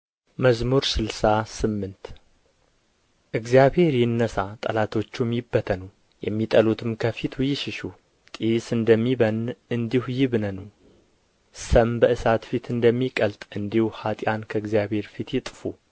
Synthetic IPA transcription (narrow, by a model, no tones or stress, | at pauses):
məzmuɾsɨlsasɨmːɨnt̪ | ʔɨɡzjaβhe̞ɾjɪnːəsat̪ʼə̰lat̪ʰo̞t͡ʃːumjɪbːət̪ʰənəw | jɛ̰mːit̪ʼəlut̪ʰɨmkʰəfit̪ʰwjɪʃɪʃu | t̪ʼisɨnd̪əmːiβənɨnd̪ihujɪβnənəw | səmbəɨsat̪fit̪ʰɨnd̪əmːikʼəlt̪ʼɨnd̪ihuhat̪ʼjankʰəɨɡzijaβhe̞ɾfit̪jɪt̪ʼfu